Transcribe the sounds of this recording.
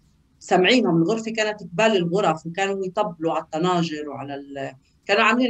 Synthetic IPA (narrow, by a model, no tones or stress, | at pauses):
samʕiːnhʊmɪnɣʊɾfikaːnat̪ʔɪk̚baːlɪlɣʊɾˤɑfwkaːnujt̪ˤɑbːluʕalat̪ːɑnɑːʒɪɾwʕalal | kaːnuʕaːmliːn